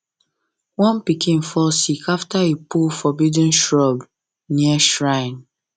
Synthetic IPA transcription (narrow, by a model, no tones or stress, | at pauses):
wɔ̃npikʰĩnfɔlsikʰaftaepulfɔbidĩnʃɹɔb | niəʃɹãɪ̃n